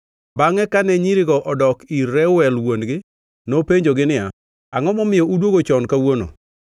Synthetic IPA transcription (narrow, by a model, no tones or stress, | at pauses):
baŋɛkanɛɲiɾɪɡɔʔɔdɔkiɛwɛlwonɡɪ | nopeɲd͡ʒoɡɪnɪja | aŋɔmɔmɪjɔudwoɡot͡ʃɔnkawono̰